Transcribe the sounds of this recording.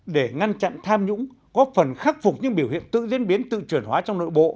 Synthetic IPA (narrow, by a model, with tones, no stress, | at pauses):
ɗe˧˩ŋa˧nt͡ɕa̰˧˨nt̪ʰaː˧mɲʊ̰˧˥ŋ͡m | kɔ˨˦˥fə˨˩nxa˦˥k̚fʊ˨˩k͡p̚ɲɨ̰˧˥ŋɓi˧˩əwhḭ˧˨ənt̪ɨ̰˧˨zḭ˧˦nɓi˨˦ənt̪ɨ̰˧˨t͡ɕwi˧˩ənɦwaː˨˦t͡ɕɔ˧wŋ͡mno̰˧˨jɓo̰˧˨